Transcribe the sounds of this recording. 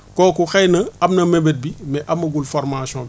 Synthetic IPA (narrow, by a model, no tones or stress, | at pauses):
kɔːkuxɛjnɐɐbnɐmebet̚bimɛʔɐmɐɡulfɔɾmasɔ̃b